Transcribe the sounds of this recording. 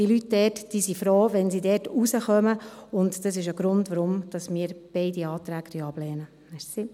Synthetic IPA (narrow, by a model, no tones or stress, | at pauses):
d̥iːlytdɛtd̥iːsifɾoːʋɛnsidɛːtusəχœməʊntd̥ɑsɪʃəɡ̥ɾʊndʋəɾʊmd̥ɑsmiːɾb̥ɛɪdiɑːt̪ɾæːktʰœɑb̥lɛːnə | mɛsi